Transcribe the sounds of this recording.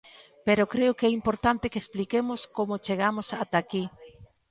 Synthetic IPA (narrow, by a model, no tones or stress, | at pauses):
peɾʊkɾeʊkɛimpoɾt̪ant̪ekesplikemʊskomot͡ʃeɣ̞amosat̪aki